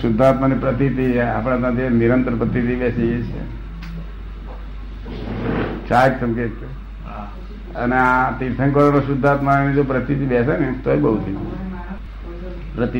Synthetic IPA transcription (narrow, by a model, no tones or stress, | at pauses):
sʊd̪ʱːat̪manipɾət̪it̪ia̰pɽ̃ãt̪ãt̪ʰiniɾənt̪ɾəpɾət̪it̪ibɛsiet͡ʃʰḛ | t͡ʃaksəmket̪ | əneat̪iɾt̪ʰəŋkəɾanoʃʊd̪ʱːat̪maenid͡ʒopɾət̪it̪ibɛsenet̪oebəɦut̪ʰi | pɾət̪i